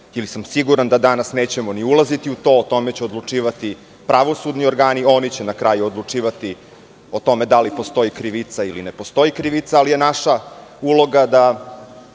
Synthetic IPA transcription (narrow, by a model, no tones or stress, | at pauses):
ilisamsiɡuɾand̪ad̪anasne̞ːt͡ɕemoniulˠazit̪iut̪o̞ːt̪o̞met͡ɕeod̪lˠut͡ʂiːʋat̪i | pɾaʋo̞sud̪nio̞ɾɡaːnio̞nit͡ɕenakɾajuod̪lˠut͡ʂiːʋat̪i | ot̪o̞med̪alipost̪o̞ikɾiʋit̪sailinepo̞st̪o̞jikɾiʋit̪saːlije̞naʃaulˠo̞ɡad̪a